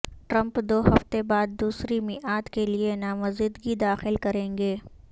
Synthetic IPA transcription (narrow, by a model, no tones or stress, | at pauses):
ʈɾɐ̃mpd̪oːhɐft̪ebaːd̪̚ːuːsɾimɪʔaːd̪kelienaːmɐzɪd̪ɡid̪aːxɪlkɐɾẽːŋɡeː